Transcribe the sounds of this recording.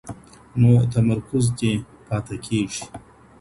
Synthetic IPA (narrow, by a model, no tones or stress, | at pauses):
noːt̪ɐmɐɾkʊzt̪e | pɑːt̪ɐkʰeːʐi̥